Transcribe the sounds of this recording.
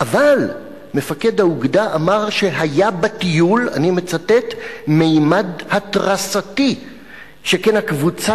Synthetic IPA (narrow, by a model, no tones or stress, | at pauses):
ʔaval | me̞fake̞dauɡdaʔamaʁʃe̞ɦajabatijula̰nime̞t͡satetmejmadhatʁasati | ʃekenakvut͡sa